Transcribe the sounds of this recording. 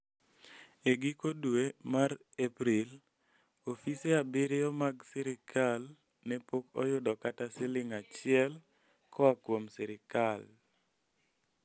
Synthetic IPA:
eɡikodwemaɾ | epɾil | ofiseabeɾeɔmaɡseɾɪkʰal | nɛpokɔjʊdɔkatasɪlɪŋat͡ʃɪɛl | kʰɔakwomsɛɾɪkal

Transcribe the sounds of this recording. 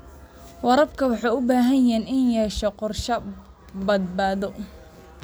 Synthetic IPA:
wɑɾɐbkʰɐwɑħɑːʊbaːɦɐnɛːnɪnjɛːʃɛqɔrʃɐ | bɐd̪̚baːðɔ

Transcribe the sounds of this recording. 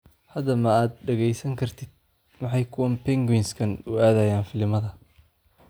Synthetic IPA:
hɐd̪ɐmɐaːd̪̚ɖɐɣɛjsɐŋkʰɐrt̪ʰɪd̪̥̚ | mɑħɑjkʰʊwɐmpɛŋɡwɪnskʰɐnʊaːðɐjaːnfɪlɪmɐðɐ

